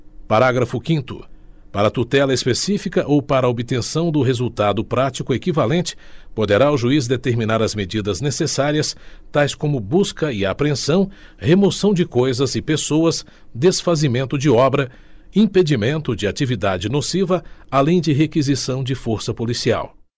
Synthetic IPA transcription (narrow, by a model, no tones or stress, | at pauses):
paɾaɡɾɐfʊkĩnt̪ʊ̰ | paɾɐt̪ut̪ɛlɐespesifikɐʔowpaɾɐobit̪ẽsɐ̃w̃d̪ʊɦezuwt̪ad̪ʊpɾat͡ʃikʊekivalẽnt͡ʃɪ̥pod̪eɾaʊʒuizd̪et̪eɾmĩnaɾɐzmed͡ʒid̪ɐznesesaɾiɐst̪ajskõmʊbuskɐɪapɾẽsɐ̃w̃ | hemosɐ̃w̃d͡ʒɪkojzɐzɪpesowɐs | d̪esfazimẽnt̪ʊd͡ʒɪɔbɾɐ | ĩped͡ʒimẽnt̪ʊd͡ʒɪat͡ʃivid̪ad͡ʒɪnosivɐalẽj̃d͡ʒɪɦekizisɐ̃w̃d͡ʒɪfoɾsɐpolisia̰w